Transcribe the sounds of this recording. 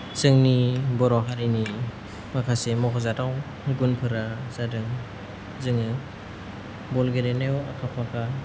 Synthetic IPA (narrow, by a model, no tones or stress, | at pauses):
zɯŋnibɔɾɔɦaɾini | makʰasemɔkɔzataw | ɡunpʰɯɾaz̥adɯŋ | zɯŋɯ | bɔlɡelenewakʰapʰakʰa